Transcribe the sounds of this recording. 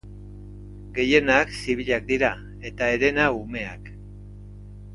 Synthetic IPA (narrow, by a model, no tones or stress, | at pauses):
ɡe̞je̞naksiβiʎak̚d̪iɾa | e̞t̪aeɾe̞naume̞a̰k